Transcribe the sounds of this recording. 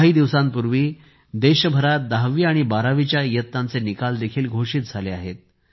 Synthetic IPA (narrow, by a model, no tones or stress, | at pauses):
ɦiːd̪iʋsãmpuɾʋiː | d̪eɕəbʱəɾat̪̚d̪aɦʋiːaɽ̃ibaɾaʋit͡ɕjajət̪nãnt͡senikald̪ekʰiːlɡʱoʂiːt̪̚d͡zʱaleaɦet̪̚